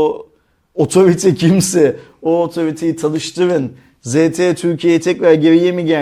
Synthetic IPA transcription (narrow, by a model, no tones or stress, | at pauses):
ot̪ʰo̞ɾit̪ʰɛcʰimsɛ | oːt̪ʰo̞ɾit̪ʰejit̪ʰanˠɯʃt̪ʰɯɾɯn | zeːt̪ʰet̪ʰyɾcʰijejit̪ʰɛc̚ɾæɾɟeɾijemiɟæ